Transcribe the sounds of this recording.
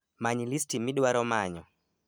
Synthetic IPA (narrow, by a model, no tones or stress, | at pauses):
maɲilistimiɗwaɾɔmaɲɔ